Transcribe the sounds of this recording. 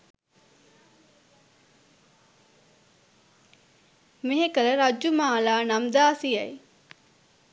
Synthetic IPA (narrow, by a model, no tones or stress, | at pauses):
meɦekəɾəɾad͡ʒjumaːlaːnamd̪aːsijɐj